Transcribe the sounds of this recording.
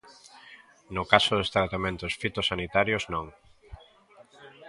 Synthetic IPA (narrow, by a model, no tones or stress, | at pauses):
nʊkasʊðest̪ɾat̪amẽnt̪ʊsfit̪osanit̪aɾjʊznõŋ